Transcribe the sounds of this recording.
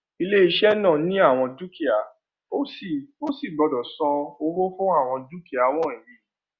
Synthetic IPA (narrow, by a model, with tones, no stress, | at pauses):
i˧le˦i˧ʃɛ˦nãː˦˨nĩ˦a˦˨w̃ɔ̃˧du˦ki˨a˨ | o˦si˨o˦si˦˨ɡ͡bɔ˨˧dɔ˨sɔ̃˧o˧ɾo˦fũ˦a˦˨w̃ɔ̃˧du˦ki˦a˨˧w̃ɔ̃˦˨i˨ɾi˨˦